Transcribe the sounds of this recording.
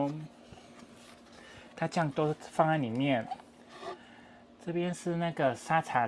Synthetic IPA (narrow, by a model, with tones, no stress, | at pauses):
ŋ | t̪ʰa˥t͡ɕjɑ˥˩ŋt̪wɔ˥fɑ˥˧ŋa˥˩nli˨˩mjɛ˥˨n | ʈ͡ʂɤ˥˩pjɛ˦nʂɻ̩˥˧na˥˩ɡə˩sa˥t͡sʰa˨˩˦